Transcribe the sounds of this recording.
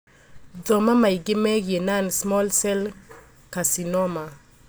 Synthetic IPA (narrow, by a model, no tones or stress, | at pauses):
dɔmamajɡɪmɛɡenansmɔlsɛl | kasinɔma